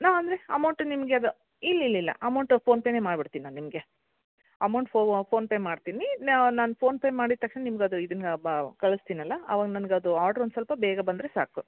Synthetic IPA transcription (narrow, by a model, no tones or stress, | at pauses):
naːɐnd̪ɾeɐmɐwɳʈnimɐɡeɐd̪u | ilːilːilːɐ̰ʔɐmɐwɳʈpʰoːnpeːne̞ːmaːɖbiɽt̪iːninːaːnimɐɡe̞ | ɐmɐwɳʈpʰoːpʰo̞ːnpeːmaːɽt̪iːninaːnpʰo̞ːnpeːmaːɽiɾt̪ɐkʂnenimɐɡɐd̪uid̪ɐnkɐɭust̪iːnɐlːɐɐ̰ʋaːɡnɐnɐɡeɐd̪uaːɖɾond̪usɐlpɐbɛːɡɐbɐnd̪ɾesaːku